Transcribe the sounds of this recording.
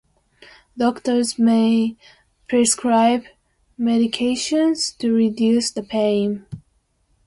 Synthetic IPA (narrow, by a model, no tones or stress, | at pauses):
dɔktə˞zmeɪ | pʰɹ̥ɛskʰɹaɪb | mɛɾɨkʰeɪʃə̃nz̥tʰɨɹidjʉsðəpʰẽɪ̃m